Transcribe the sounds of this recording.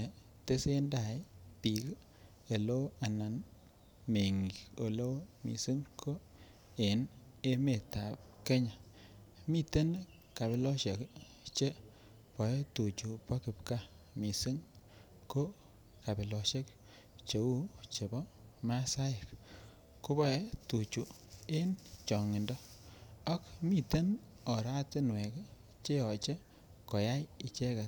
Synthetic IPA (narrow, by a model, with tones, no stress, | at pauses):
te˦se˦nda˨ɪ˦pi˨k | e˨lo˦a˨na˨n | me˨ŋɡi˨o˨lo˦wmḭ˨si˦ŋkʰo˦ | e˨ne˦me˨ta˨p̚ke˦ɲa˨ | mi˦te˦n | ka˨bɪ˨˦lɔ˦ʃe˨k | t͡ʃe˦ | pɔ˨je˦to˨t͡ʃu˨pa˦kɪ˨pka˦ | mi˨si˦ŋ | ko˦ | ka˨bi˨lɔ˨ʃe˦k | t͡ʃe˨u˦t͡ʃe˨bɔ˦ma˦sa˦ɪ˨p | ko˦bɔ˦e˦tu˨t͡ʃu˨ | e˦nt͡ʃɔ˨ŋɪ˨ndɔ˦ɔ˦kmi˨te˦n | ɔ˨ɾa˦tɪ˦nwɛ˨k | t͡ʃe˦ɔ˨t͡ʃe˦ | kɔ˨ja˦ji˨t͡ʃe˦ka˨